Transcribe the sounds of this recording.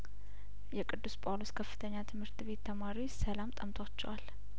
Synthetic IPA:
jɛkʼɨd̪ːuspʼoloskʰəfːɨ̥t̪ʰəɲːat̪ʰɨmhɨɾt̪ʰβe̞t̪ʰːəmaɾiwsəlamt̪ʼəmt̪ʰat͡ʃːɛwal

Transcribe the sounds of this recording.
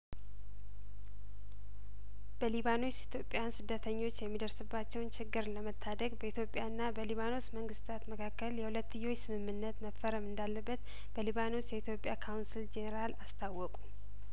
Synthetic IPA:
b̥əliβano̞t͡ʃːit̪ʰjo̞pʼːjansɨd̪ːət̪ʰəɲːo̞t͡ʃːjɛmːid̪əɾsɨbːat͡ʃːɛwnt͡ʃʰɪɡːɨɾləmət̪ʰːad̪əɡbəit̪ʰjo̞pʼːjaɨnːabəliβano̞sməŋɡɨst̪ʰat̪məkʰakːəljɛhulət̪ːɨjːo̞jːsɨmɨmːɨnːət̪məfːəɾəmɨnd̪alːəbːət̪ | b̥əliβano̞sjɛit̪jo̞pʼːjakʰawnsild͡ʒe̞neɾalast̪ʰawːɔkʼu

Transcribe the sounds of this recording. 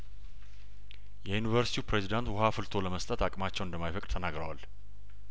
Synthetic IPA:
jɛjunivəɾsi̥t̪ʰiupɾezid̪ant̪wʊɦafɨlt̪ʰo̞ləməst̪ʼət̪akʼmat͡ʃːɛwɨnd̪əmːajfəkʼd̪t̪ʰənaɡɾəwal

